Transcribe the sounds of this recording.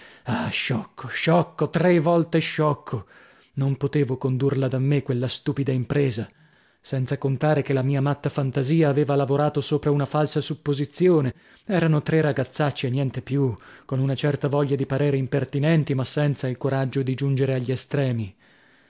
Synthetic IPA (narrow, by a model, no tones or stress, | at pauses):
aʃːɔkʰːoʃɔkːot̪ɾevɔlt̪eʃːɔkʰːo | nompot̪eːvokond̪urlad̪amːekwelːast̪uːpid̪aimpɾeːza | sɛnt̪sakont̪aːɾekelamiːamat̪ːafant̪aziːaːveːvalavoɾaːt̪osoːpɾaunafalsasupːozit̪sjoːne | ɛːɾanot̪ɾeraɡat̪sːat͡ʃːienːjɛnt̪epjukonunat͡ʃɛrt̪avɔʎːad̪ipaɾɛːɾeimpert̪inɛnt̪imasːɛnt̪sailkoɾad͡ʒːod̪id͡ʒund͡ʒeɾeaʎːiɛst̪ɾɛːmi